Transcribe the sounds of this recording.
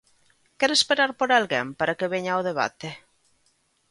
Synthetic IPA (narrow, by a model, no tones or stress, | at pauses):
kɛɾoespeɾaɾpoɾalɣempaɾakeβeɲaoðeβ̞a̰t̪e